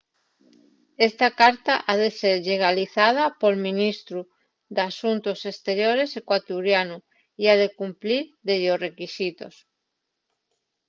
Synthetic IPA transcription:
est̪akaɾt̪aʔaðeseɾʎeɣ̞aliθað̞apolmĩnist̪ɾu | d̪asunt̪osest̪eɾjoɾesekwat̪uɾjanu | iaðekumpliɾðeʎorekisit̪o̰s

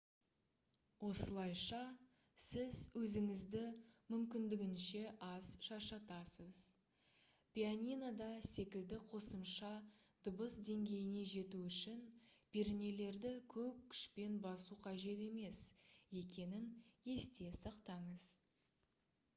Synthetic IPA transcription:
wo̞səlˠɑjʃɑ | sɪzwɵzɪŋɪzd̪ɪmʏmkʲɪnd̪ɪɡʲɪnʃe̞ʔɑz̥ʃɑʃɑt̪ɑsəz̥ | pʲijanʲinad̪ɑse̞kʲɪld̪ɪqʰo̞səmʃɑ | d̪̥ʊbəsd̪e̞ŋɡʲe̞jɪne̞ʒe̞t̪uʏʃɪnb̥e̞ɾɪne̞le̞ɾd̪ɪkʲʰɵp̚kʲʰʏ̥ʃpe̞nbɑsuqʰɑʒe̞t̪e̞me̞sje̞kʲe̞nɪnje̞st̪e̞sɑqt̪ɑɴəz̥

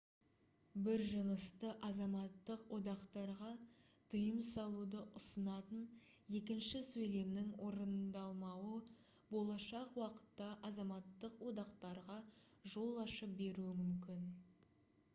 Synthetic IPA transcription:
bɪɾʒənəst̪əʔɑzɑmɑt̪ːəqwʔo̞d̪ɑqt̪ɑɾʁɑ | t̪ʰəjəmsɑlˠud̪əʔʊsənɑt̪ən | je̞kʲɪnʃɪsɵjle̞mnɪŋwʔo̞ɾənd̪ɑlˠmɑwə | bo̞lˠɑʃɑqwɑqə̥t̪ːɑʔɑzɑmɑt̪ːəqwo̞d̪ɑqt̪ɑɾʁɑ | ʒo̞lˠɑʃəp̚be̞ɾuɪmʏmkʲɪn

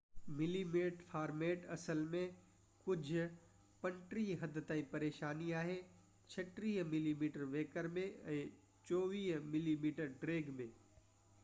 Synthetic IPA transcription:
mɪliːmeːʈfʰaːɾmeːʈɐsəlmẽ | kʊd͡ʑʱʊ | pɐ̃ɳʈɾiɦɐd̪ʱt̪aːĩpɐɾeːʃaːniaːɦe | t͡ɕʰɐʈɾiːɦmɪliːmiːʈəɾʋeːkəɾmẽɛ̃ː | t͡ʃoːʋiːɦmɪliːmiːʈəɾɖɾeːɡmẽː

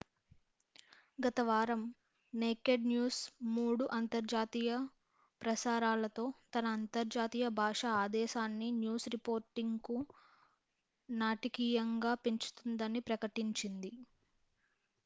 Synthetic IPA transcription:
ɡɐt̪ɐʋaːɾɐm | neːkeɖnjuːsmuːɽuʔɐnt̪ɐɾd͡ʒaːt̪iːjɐ | pɾɐsaːɾaːlɐt̪o̞ːt̪ɐnɐːnt̪ɐɾd͡ʒaːt̪iːjɐbʱaːʂɐaːd̪ɛːʃaːnːinjuːsɾipo̞ːɾʈiŋɡku | naːʈikiːjɐŋɡaːpeɲt͡ʃu̥t̪und̪ɐnipɾɐkɐʈiɲt͡ʃind̪i

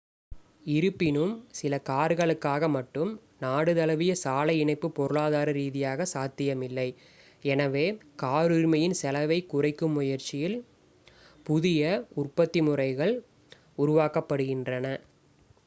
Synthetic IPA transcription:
ɪɾɯpːɪnɯmsɪlɐkaːɾɣɐɭɯkːaːɣɐmɐʈːɯm | naːɽɯðɐlɐʋɪjɐsaːlɐɪɪɳɐɪpːɯpːɔɾɯɭaːðaːɾɐɾiːðɪjaːɣɐsaːt̪ːɪjɐmɪlːɐɪ | ɛnɐʋeːkaːɾɯɾmɐjɪnsɛlɐʋɐɪkːʊrɐɪkːɯmːʊjɐɾt͡ʃːɪjɪl | pʊðɪjɐʊrpɐt̪ːimʊrɐɪɣɐɭ | ʊɾʊʋaːkɐpːɐɽɯɣɪndrɐnɐ

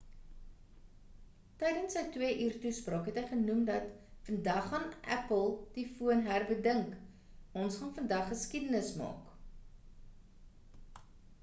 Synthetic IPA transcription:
tɛjdənsəjtwiəʔiːrtusprɑːkɦɛtɦəjχənumdɐtfəndɐχːɐnʔæ̰pəlˠd̥ifuənɦærbədəŋk | ɔnsχɑnfəndɐχːəskidənəsmɑ̰ːk

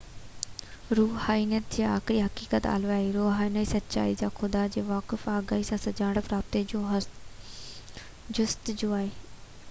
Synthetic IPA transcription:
ɾuːhaːinijət̪̚d͡ʑeːa̰ːxɪɾiɦɐkiːkət̪a̰ːluaːɦeɾoːɦaːinaːisɐt̪ːt͡ɕa̰ːid͡ʑaːxʰʊd̪ad͡ʑeːʋaːkɪfaːɡaːisãsɐd͡ʑaːɳɽəpɾaːb̚t̪eo | d͡ʑʊst̪d͡ʑoːaːɦeː

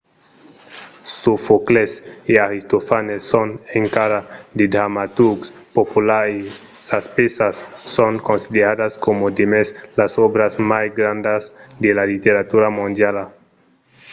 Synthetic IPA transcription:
sofokleseaɣist̪ofanesːoneŋkaɾad̪ed̪ɾamat̪uɾks | populai | saspesasːoŋkonsideɾadaskomod̪emeslasoβɾazmajɡɾand̪azd̪elalit̪eɾat̪uɾamũnd̪jala

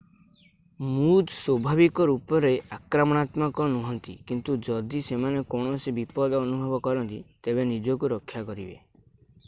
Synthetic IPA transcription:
mud͡ʒswɔbʱabikɔɾupɔɾeʔakɾamɔɽ̃at̪makɔnuɦɔnt̪ḭkint̪ud͡ʒɔd̪isemanekɔɽ̃ɔsibipɔd̪ɔɔnubʱɔbɔkɔɾɔnt̪it̪ebenid͡ʒɔkuɾɔkʰːjakɔɾḭbḛ

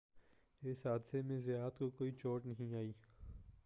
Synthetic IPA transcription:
ɪsɦaːd̪semẽzɪjaːt̪kokoːit͡ʃoːʈnɐɦĩaːiː

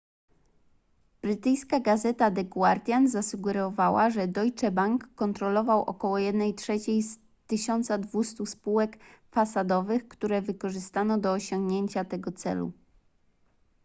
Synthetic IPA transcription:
b̥ɾɘt̪ɘjskaɡazɛt̪ad̪ɛɡwaɾt̪ʲjanzasuɡɛɾɔvawaʐɛd̪ɔjt͡ʂɛbaŋkːɔnt̪ɾɔlɔvawʔɔ̰kɔwɔjɛd̪nɛjtʂɛt͡ɕejs | t̪ɘɕɔnt̪sad̪vust̪uspuwɛkfasad̪ɔvɘxkt̪uɾɛvɘkɔʐɘst̪anɔd̪ɔːɕɔŋɡɲeɲt͡ɕat̪ɛɡɔt̪sɛ̰lṵ

